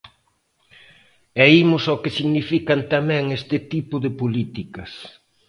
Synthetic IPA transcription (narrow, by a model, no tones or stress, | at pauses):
ɛimʊsokɪsiɣnifikɐnt̪amɛ̃ŋest̪ɪt̪ipʊðɪpolit̪ikɐs